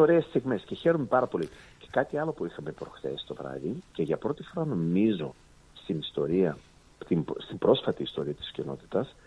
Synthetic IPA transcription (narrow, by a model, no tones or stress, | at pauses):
oɾe̞ːst̪iɣme̞sce̞çeɾome̞pɐɾɐpo̞lice̞̥kɐt̪iɐlo̞puixɐme̞pɾo̞xθe̞̰si̥t̪o̞vɾɐ̰ðice̞ʝɐpɾo̞t̪ifo̞ɾɐno̞mizo̞ | st̪inist̪o̞ɾiɐ | t̪imst̪imbɾo̞sfɐt̪iːst̪o̞ɾiɐt̪i̥scino̞̰t̪i̥t̪ɐs